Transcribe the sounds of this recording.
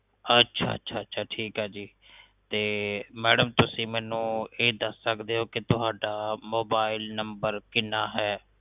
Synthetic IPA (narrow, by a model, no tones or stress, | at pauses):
ətːʃʰa̰ːə̰tːʃʰaːətːʃʰaːʈʰiːkɦɛːd͡ʒiː | t̪eːmɛːɖəmt̪ʊsĩːmɛːnũːeːd̪əsːəkd̪eːɦoːkɪt̪ʊɦaːɖaːmoːbaːɪlnəmbəɾkɪnːaːɦɛː